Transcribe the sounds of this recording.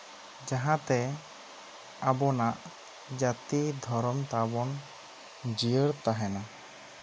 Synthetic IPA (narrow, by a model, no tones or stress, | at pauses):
d͡ʒaɦãt̪ɛ | abɔnaʔ | d͡ʒat̪id̪ʱɔɾɔmt̪abɔn | d͡ʒijəɾt̪aɦɛna